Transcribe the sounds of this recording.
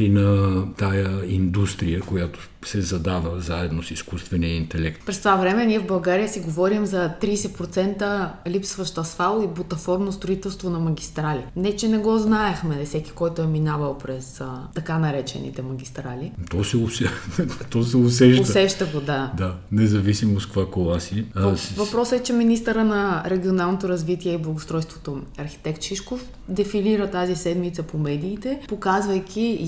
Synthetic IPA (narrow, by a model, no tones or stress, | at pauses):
ɾinɐt̪ajəind̪ust̪ɾijəkojat̪o̥ | sɛzɐd̪avəzaɛd̪nosiskust̪vɛniəint̪ɛlɛkt̪pɾɛst̪vavɾɛmɛniɛvbɐlˠɡaɾijəsiɡovɔɾimzɐt̪ɾiːsɛpɾot̪sɛnt̪əlipsvɐʃt̪ɐsfalˠoibot̪ɐfɔɾnost̪ɾoit̪ɛlˠst̪vonɐmɐɡʲist̪ɾalinɛt͡ʃɛnɛɡɔznaɛxmɛfsɛki̥kɔjt̪ʊɛminavəlˠpɾɛst̪ɐkanɐɾɛt͡ʃɛ̰nḭt̪ɛmɐɡ̟ʲist̪ɾalit̪ɔsɛʊsɛt̪ɔsɛʊs̬ɛʃtoəsɛʃt̪əɡod̪ad̪anɛzɐvisimoskvakolˠasivɐpɾɔsɛt͡ʃɛminist̪əɾənɐɾɛɡʲionalˠnot̪oɾɐzvit̪iɛiblˠɐɡʊst̪ɾɔjst̪vo̥t̪oɐɾxi̥t̪ɛkt̪ʃiʃkof | d̪ɛfiliɾət̪azisɛd̪mit̪səpomɛd̪iːt̪ɛpokazvɐjkʰʲi